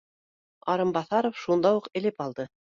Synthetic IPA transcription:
ɑɾɤmbɑθɑɾofʃund̪ɑwuqɘ̆lɘpɑlˠd̪ɤ

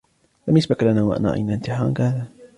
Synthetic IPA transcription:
lamjasbaklanaːwaʔa̰na̰ʔa̰jnaɪnt̪ɪħɑːnkhaːða

